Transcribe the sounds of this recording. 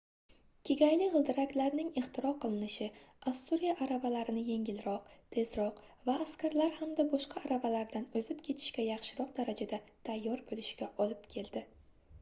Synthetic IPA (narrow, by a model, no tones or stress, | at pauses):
kʲʰeɡʲajlɪʁɨlˠd̪ɪɾakʲlaɾnɪŋeχt̪ʰɪɾɒqʰɨlˠɪnɪʃɪast̪uɾijaʔaɾavalaɾɪnɪje̞ŋʲɪlɾɒq̚t̪ʰe̞zɾɒq | vaːskʲʰaɾlaɾhamd̪abɒʃqʰɑːɾavalaɾd̪anɵzɪpkʲʰe̞t̪ʰɪ̥ʃkʲajɑχʃɪɾɒq̚d̪aɾad͡ʒad̪at̪ʰajːɒɾbolɪʃɪɡʲaʔɒlɪpkʲʰe̞ld̪ɪ